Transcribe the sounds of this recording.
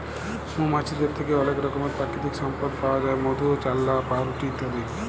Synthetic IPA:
mũmat͡ʃʰid̪eɾt̪ʰekeɔlekɾɔkomeɾpɾakit̪iksɔmpəɾkpawad͡ʒaemod̪ʱut͡ʃalːapaɾuʈit̪aɾi

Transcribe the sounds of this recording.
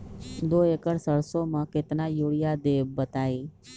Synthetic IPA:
d̪oːekəɽsəɾsomãket̪najoɽijad̪eːʋbət̪aːiː

